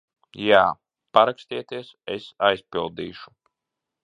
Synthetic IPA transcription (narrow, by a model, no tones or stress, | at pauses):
jaː | paɾakst̪iːɛt̪iɛsesajspilˠd̪iːʃu̥